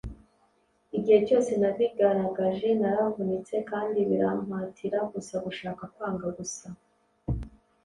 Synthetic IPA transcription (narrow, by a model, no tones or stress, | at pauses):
iɟihe̞co̞ːse̞naβiɡaɾaɡaʒe̞naɾavunit͡se̞kaːndiβiɾam̥atʰiɾaɡusaɡuʃaːkakwaːŋɡaɡusa